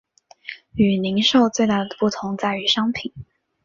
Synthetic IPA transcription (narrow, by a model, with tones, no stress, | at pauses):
y˨˩li˧˥ŋʂo˥˧ʊt͡swe˥˧ɪt̪a˥˩d̪ə˩pu˥˩t̪ʰʊ˧˥ŋt͡sa˥˩ɪy˨˩ʂɑ˥ŋpʰi˨˩˦n